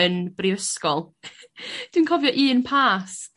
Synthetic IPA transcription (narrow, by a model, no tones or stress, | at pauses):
ənb̥rivəskɔlˠ | d̥wiːnkʰɔvjɔʔiːənpʰaːs